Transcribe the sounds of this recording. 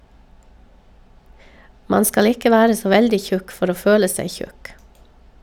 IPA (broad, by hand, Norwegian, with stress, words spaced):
ˈmɑn ˈskɑl ˈɪkə ˈʋæːɾə ˈsoː ˈʋɛldɪ ˈçʉk ˈfɔɾ ˈoː ˈføːlə ˈsæɪ ˈçʉk